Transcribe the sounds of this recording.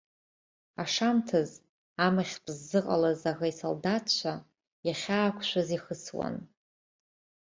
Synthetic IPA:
aʂamtʰɨz | amaχʲpʰʼzːɨqʼa̰lazaɣaiso̰ldatt͡ʃʷʰa | jaχʲaːkʷʰʃʷʰaziχəswa̰n

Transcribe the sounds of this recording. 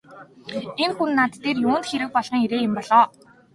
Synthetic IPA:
enxunːat̪ːeːrjuːnt̪xeɾɘ̆k̚pɔɮʁɞ̆ŋiɾeːjɪ̆mpɔɮɔː

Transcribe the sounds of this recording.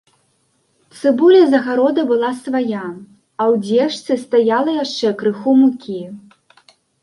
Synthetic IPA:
t̪sɨbulʲɛzɐɣaɾɔd̪ɐbɨlˠasvaja | ɐwd͡zʲɛʂt̪sɨst̪ajalˠɐjaʂt͡ʂɛkɾɨxumukʲi

